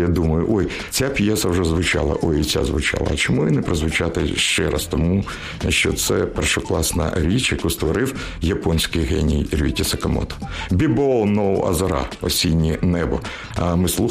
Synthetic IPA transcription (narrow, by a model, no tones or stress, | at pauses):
jad̪umɐjʊʔɔj | t͡sʲapʲjɛsɐwʐɛzʋʊt͡ʃa̰lˠɐ̰ʔɔjit͡sʲa̰zʋʊt͡ʃa̰lˠɐ̰t͡ʃɔmuɪnɛpɾɔzʋʊt͡ʃat̪ɪʃt͡ʃɛɾʔa̰st̪ɔmu | ʃt͡ʃɔt̪sɛpɛrʃɔklˠɑsnɐ̰ɾʲit͡ʃjɐkust̪ʋɔɾɪw | jɐpɔnʲsʲkɪjɦɛnʲijirʲʋʲitʲisɐkɐmɔ̰t̪ɔ̥bʲibɔlˠnɔwɐ̰zɐɾɑ̰ɔsʲinʲːinɛbɔ | ɐmɪslˠu